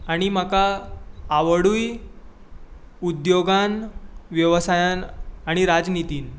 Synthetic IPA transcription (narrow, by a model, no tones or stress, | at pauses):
aɽ̃im̤akaː | ʋəɽuːj | ud̪joɡanʋjəʋəsajanaɽ̃iɾad͡znit̪iːn